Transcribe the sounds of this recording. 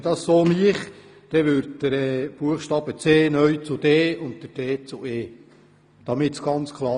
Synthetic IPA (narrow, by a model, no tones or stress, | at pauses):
dɑssoːmiəχ | d̪̥ɛʋʏɾtdəɾɛːb̥uəχʃtɑːb̥ət͡seːnœɥt͡sʊd̥eːʊnttəɾd̥eːt͡sʊeː | d̪̥ɑmɪtsɡ̥ɑnt͡skʰlˠɑː